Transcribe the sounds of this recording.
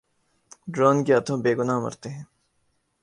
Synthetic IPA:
ɖɾoːnkeɐt̪ʰõːbeːɡʊnaːmɐ̰ɾt̪eɦɛ̃ː

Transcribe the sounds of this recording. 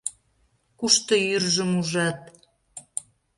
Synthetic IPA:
kuʃt̪ɤjyrʒə̆muʒɑt̪̚

